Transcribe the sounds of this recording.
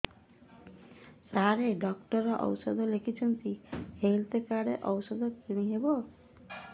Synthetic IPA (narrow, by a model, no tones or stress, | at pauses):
saɾeɖɔkʈɔɾɔʔɔ̰wsɔd̪ʱɔlekʰit͡ʃʰɔnt̪iheɦilt̪ekaɽeʔɔwsɔd̪ɔkiɽ̃iɦebɔ